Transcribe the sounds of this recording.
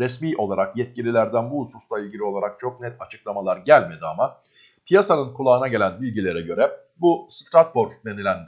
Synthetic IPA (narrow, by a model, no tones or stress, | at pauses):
ɾɛsmiːʔo̞lˠaɾakjɛt̪̚cilʲilʲæɾd̪ænbuususlˠailʲɟilʲio̞lˠaɾak̚t͡ʃʰo̞k̚nɛt̪ʰat͡ʃʰɯ̥klˠamalˠaɾɟælʲme̞d̪iama | pʰijasanɯnkʰulˠaːɯnaɟe̞lʲænbilʲɟilʲe̞ɾɛɟø̞ɾɛ | bust̪ɾat̪̚bo̞ɾd̪enilʲæn